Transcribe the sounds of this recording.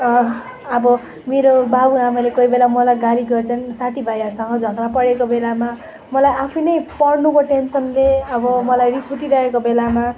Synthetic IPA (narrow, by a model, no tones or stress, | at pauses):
ʌbʌ | meɾobabuamalekoibelamʌlajɡaliɡʌrt͡sʰʌnsat̪ʰibʱajʌɾsʌŋɡʌd͡zʱʌɡrapʌɽekobelama | mʌlajapʰinʌjpʌrnukoʈensʌnleʌbʌmʌlajɾisuʈiɾʌɦekobelama